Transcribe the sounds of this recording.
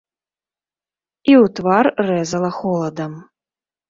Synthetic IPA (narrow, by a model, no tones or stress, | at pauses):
iwt̪varːɛzɐlˠɐxɔlˠɐd̪ɐm